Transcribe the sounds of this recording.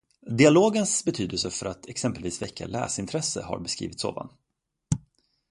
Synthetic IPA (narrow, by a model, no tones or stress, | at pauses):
d̪ɪaloːɡənsbɛt̪ʰyːd̪əlsəfœɾat̪ʰɛksɛmpəlviːsvɛkːa̰lɛːsɪnt̪ʰɾɛsːəha̰ɾbɛskɾḭːvɪt̪so̰ːva̰n